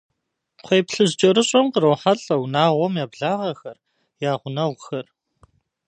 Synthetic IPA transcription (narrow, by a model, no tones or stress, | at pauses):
χʷeːpɬɨzd͡ʒʼɐɾɨɕʼɔmqərɐwħaɬʼɐwnaːʁʷɔmjaːbɮaːʁɐxɐr | jaːʁʷʊnɐwxɐr